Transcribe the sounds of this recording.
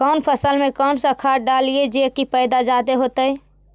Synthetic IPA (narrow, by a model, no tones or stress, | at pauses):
kɔːnpʰəsəlmẽkɔːnsakʰaːɾ̚ɖaːlied͡ʒekipɛːd̪ad͡ʒaːd̪eɦoːt̪əɛ